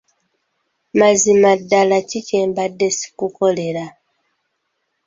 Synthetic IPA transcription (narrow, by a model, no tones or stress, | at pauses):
mazimadːalaciceːmbadːe̞si̥kuko̞le̞ɾa